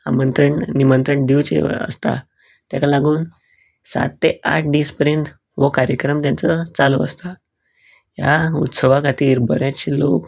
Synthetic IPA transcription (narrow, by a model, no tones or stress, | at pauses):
a̰mənt̪ɾəɳnimənt̪ɾəɳɖ̪iwt͡ɕḛə̰st̪a̰ | t̪jakalaɡuːn | sa̰t̪ːea̰ʈʰɖiːspəɾjənt̪ | ʋəkaɾjəkɾəmt̪jant͡sət͡saloəst̪a | jaut̪səʋakat̪iːɾbʱəɾjat͡ɕelok